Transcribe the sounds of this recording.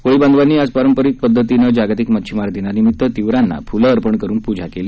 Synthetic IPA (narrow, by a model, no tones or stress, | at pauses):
koɭiband̪ʋanːiːad͡zpaɾəmpəɾit̪̚pəd̪ʱːət̪inəd͡ʑaɡat̪ikmətːɕʰimaɾt̪inanimit̪ːət̪iʋɾanːa̰fuləːɾpəɳkəɾuːnpud͡ʑʱakeliː